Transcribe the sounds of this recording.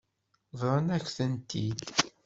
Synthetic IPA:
ðˤɾˤɑnækʷːθənt̪id̪

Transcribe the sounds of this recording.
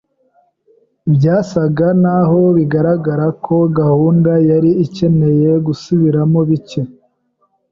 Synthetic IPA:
bɟaːsaɡanaɦo̞βiɡaɾaɡaɾakʰo̞ɡahuːndajaɾiice̞ne̞je̞ɡusuβiɾamo̞βice

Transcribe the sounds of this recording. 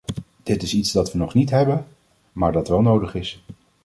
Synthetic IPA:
d̥ɪtɪsitzdɑtʋənɔχnitɦɛbə | maːɹdɑtʋɛlˠnowdəχɪs

